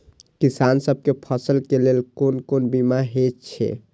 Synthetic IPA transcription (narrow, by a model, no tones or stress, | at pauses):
kisansəb̚kepʰəsəlkelelkonkonbimaɦett͡ʃʰɛ̰